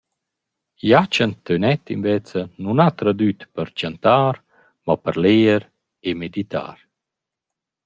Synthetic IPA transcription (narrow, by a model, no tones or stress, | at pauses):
jat͡ʃənt̪ːønɛt̪invɛt͡sənunat̪ɾad̪yt̪pəɾt͡ʃant̪aːɾ | mapəɾleːəɾ | emed̪it̪a̰ːɾ